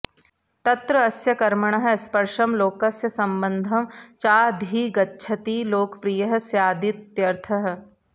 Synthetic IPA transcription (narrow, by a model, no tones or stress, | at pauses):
t̪ɐt̪ɾəɐsjɐkɐɾməɳ̃əɦɐspɐɾʃɐmloːkɐsjɐsɐmbənd̪ʱɐmt͡ʃaːd̪ʱiːɡɐtːʃʰɐt̪iːloːkpɾijɐɦsjaːd̪ɪt̪ːjɐɾt̪ʰɐɦ